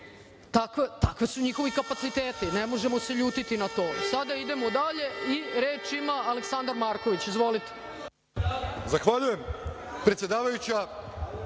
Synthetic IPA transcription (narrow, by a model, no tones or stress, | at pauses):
t̪akʋet̪akʋe̞suɲixo̞ʋikapat̪sit̪eːt̪inemo̞ʒemo̞se̞ʎuːt̪it̪inat̪o̞ːsad̪aid̪e̞mod̪aʎe̞iɾe̞ːt͡ʃimaːleksand̪aɾmaːɾko̞ʋit͡ɕizʋo̞lit̪e̥ | zaxʋaʎuje̞m | pɾet̪sjed̪aːʋajut͡ɕa